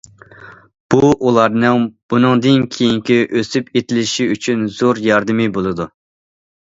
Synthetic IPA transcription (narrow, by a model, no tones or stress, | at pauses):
b̥uʔulˠɑɾnɨŋb̥unɨŋd̪ɨnkʲʰejiŋkʲiʔøsypet̪ʰɪlɪʃiyt͡ʃʰynz̥oɾjɑɾd̪ɨmɨbolˠɨd̪u